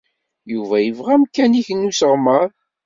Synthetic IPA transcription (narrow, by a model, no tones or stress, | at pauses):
juvæjəvʁæmkæniçənːusəʁməɾˤ